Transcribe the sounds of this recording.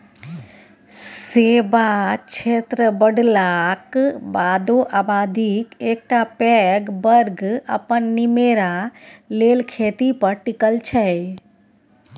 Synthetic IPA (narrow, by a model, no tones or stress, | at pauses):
sebat͡ʃʰet̪ɾəbəɖlakbad̪oʔabad̪ikek̚ʈapɛɡbəɾɡə̰pənːimeɾalelkʰet̪ipəɾʈikəlt͡ʃʰɛ